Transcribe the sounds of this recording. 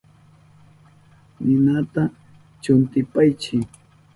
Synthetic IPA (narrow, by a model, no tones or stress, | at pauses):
nɪnat̪a | t͡ʃʊnt̪ɪpajt͡ʃɪ